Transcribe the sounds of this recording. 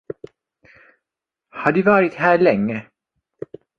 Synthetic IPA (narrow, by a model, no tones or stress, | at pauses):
haɖɵvɑːɾɪt̪ɦæːɭɛŋːə